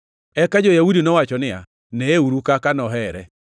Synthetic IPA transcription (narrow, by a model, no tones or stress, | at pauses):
ɛkad͡ʒɔjaudinɔwat͡ʃɔnɪa̰ | nɛeuɾukakanɔɦɛɾɛ̰